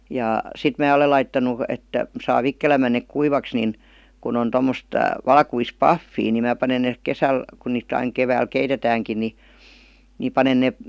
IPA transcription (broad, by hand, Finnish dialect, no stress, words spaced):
jɑˑ sit mæː ole lɑitːɑnu et sɑː ʋikːelæmːæn neˑk kuiʋɑks nin kun on tomːost ʋɑlkuis pɑfːiː ni mæː pɑnen ne kesæl kun niːt ɑiŋ keʋæːl keitetæːŋkin ni ni pɑnen neˑ